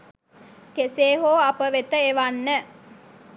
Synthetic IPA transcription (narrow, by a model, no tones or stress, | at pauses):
keseːɦoːapəʋet̪əeʋanːə